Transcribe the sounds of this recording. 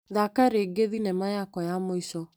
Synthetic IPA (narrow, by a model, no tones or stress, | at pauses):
ðakaɾeɡeðinɛmajakɔjamoisɔ